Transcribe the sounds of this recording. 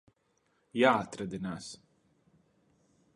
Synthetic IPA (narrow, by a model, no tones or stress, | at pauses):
jaːat̪ɾad̪inaːs